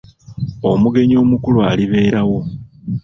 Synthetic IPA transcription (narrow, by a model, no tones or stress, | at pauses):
o̞muɡe̞ɲo̞ːmukulwaːliβe̞ːɾawo̞